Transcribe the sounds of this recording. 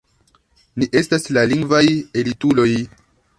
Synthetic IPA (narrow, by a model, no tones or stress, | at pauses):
niʔe̞staslaliŋɡvaje̞litulo̞j